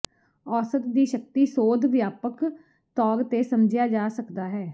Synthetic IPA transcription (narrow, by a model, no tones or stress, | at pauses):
ɔːsət̪d̪iːʃək̚t̪iːsoːd̪ʋjaːpək | t̪ɔːɾt̪eːsəmd͡ʒɪjaːd͡ʒaːsəkd̪aːɦɛː